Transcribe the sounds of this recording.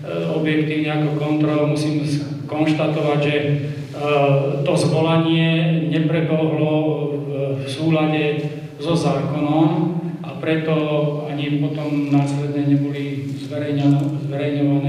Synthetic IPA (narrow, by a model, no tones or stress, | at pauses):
ɔbjɛkt̪iːʊniakɔkɔnt̪ɾɔlmusiːms | kɔnʃt̪at̪ɔʋaɟʒɛ | t̪ɔzʋɔlaɲɪɛɲɛpɾɛbɔɦlɔ | fsuːlaɟɛ | zɔzaːkɔnɔmʔapɾɛt̪ɔaɲipɔt̪ɔmnaːslɛd̪ɲɛɲɛbɔli | zʋɛɾɛɲzʋɛɾɛjɲɔʋanɛː